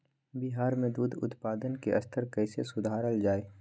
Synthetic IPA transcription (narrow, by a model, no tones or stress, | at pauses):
biɦaːɾmẽd̪uːd̪ʱʊ̰t̪paːd̪ənkḛʔɐ̰st̪ʰəɾkɛːsesʊd̪ʱaːɾəld͡ʒaːeː